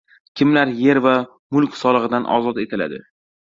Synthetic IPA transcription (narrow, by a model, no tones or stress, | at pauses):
kʲʰɪmlaɾje̞ɾva | mʊlˠkʲsɒlˠɨʁɨd̪anʔɒ̰zɒt̪e̞t̪ʰɪla̰d̪ɪ̰